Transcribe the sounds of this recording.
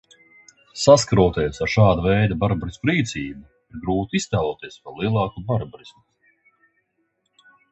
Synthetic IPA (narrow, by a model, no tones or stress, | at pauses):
saskaɾuɔt̪iɛsaɾʃaːd̪avɛjd̪abaɾbɾisʲkuɾiːt̪siːbu | iɾɡɾuːt̪iist̪æːlˠuːt̪iɛspalˠiɛlˠɑːkubaɾbɾismu